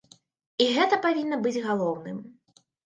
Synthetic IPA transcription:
iɣɛt̪ɐpavʲinːɐbɨd͡zʲɣalˠɔwnɨ̰m

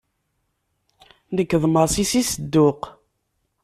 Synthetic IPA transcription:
nəkːðˤməɾˤsisisəd̪ːʊq

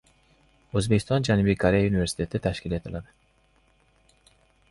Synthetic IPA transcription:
øzbecʲi̥st̪ʰɑnd͡ʒænubikʰaɾejayniveɾsi̥t̪ʰet̪ʰit̪ʰæʃcʲilet̪ʰilad̪ɪ

